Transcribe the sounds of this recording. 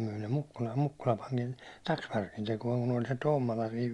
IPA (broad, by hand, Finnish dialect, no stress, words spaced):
myi ne mukːulɑl̥ːe̥ mukːulɑ pɑŋkin tɑksʋærkin tekuɒŋ kun olʲ se tomːolɑ siːʋ